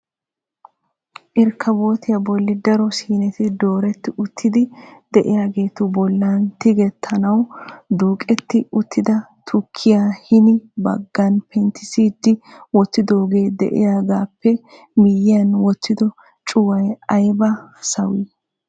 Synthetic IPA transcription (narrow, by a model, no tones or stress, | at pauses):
ʔɪɾkʰɐbo̞ːt̪ɪjɐbɔlːɪd̪ɐɾɔsiːnɛt̪ɪd̪o̞ːɾɛt̪ːɪʊt̪ʰːɪd̪ɪd̪ɛʔɪjaːɡe̞ːt̪ʊbɔlːaːnt̪ɪɡɛt̪ʰːɐnɐwd̪uːkʼɛt̪ːɪʊt̪ʰːɪd̪ɐ | t̪ʰʊkʰːɪjaːhɪnɪbɐ̰ɡːɐnpʰɛnt̪ɪsid̪ːɪwɔt͡sːɪd̪o̞ːɡe̞ːd̪ɛ̰ʔɪ̰jaːɡaːpːɛ | mɪjɪjɐnwɔt͡sːɪd̪ɔ | t͡ʃʼʊwɐjɐjbɐsɐ̰wiː